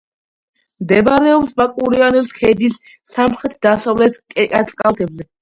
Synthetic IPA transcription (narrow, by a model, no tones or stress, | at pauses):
md̪ɛbaɾɛɔpsbakʼuɾianɛlskʰɛd̪isː | amχɾɛt̪ʰd̪asavlɛt̪ʰkʼɛkʼat̪ʼkʼalt̪ʰɛbzɛ